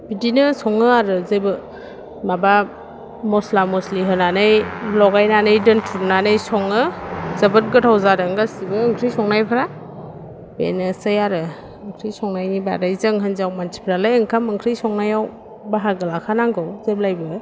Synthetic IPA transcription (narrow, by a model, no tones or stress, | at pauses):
bidinɯsɔŋɯaɾɯzejbɯ | maba | mɔslamɔsliɦɯnanɯjlɔɡajnanɯjdɯntʰunanɯjsɔŋɯzəbɯt̚ɡɯtʰawzaɾɯŋɡasibɯːŋkʰɾɯjsɔŋnajpʰaɾa | bḛnɯsɯjaɾɯ | ɯŋkʰɾijsɔŋnajniba̰ɾajzɯŋɦɯnzawmantʰi̥pʰɾalajɯŋkʰamɯŋkʰɾɯjsɔŋnajaw | baɦaɡɯlakʰanaŋɡɯwzeblajbɯ